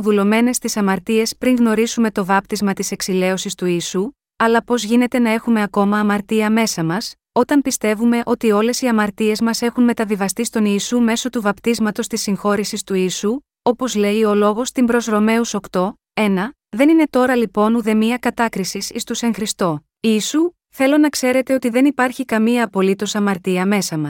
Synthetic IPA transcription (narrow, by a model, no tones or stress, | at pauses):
ðulo̞me̞ne̞st̪isɐmɐɾt̪ie̞spɾiŋɣno̞ɾizume̞t̪o̞vɐp̚t̪izmɐt̪ise̞ksile̞o̞sist̪uiːsu | ɐlɐpo̞zʝine̞t̪e̞nɐe̞xume̞ɐko̞mɐːmɐɾt̪iɐme̞sɐmɐs | o̞t̪ɐmpist̪e̞vume̞ʔo̞t̪io̞le̞siɐmɐɾt̪ie̞zmɐse̞xunme̞t̪ɐðivɐst̪ist̪o̞niːsume̞so̞t̪uvɐpt̪izmɐt̪o̞st̪isːiŋxo̞ɾisist̪uiːsu | o̞po̞zle̞io̞lo̞ɣo̞st̪imbɾo̞zɾo̞me̞uso̞kt̪o̞ | e̞nɐ | ðe̞nine̞t̪o̞ɾɐlipo̞nuðe̞miɐkɐt̪ɐkɾisisḭst̪use̞ŋxɾist̪o̞ | iːsu | θe̞lo̞nɐkse̞ɾe̞t̪e̞o̞t̪iðe̞nipɐɾçikɐmiɐːpo̞lit̪o̞sɐmɐɾt̪iɐme̞sɐmɐs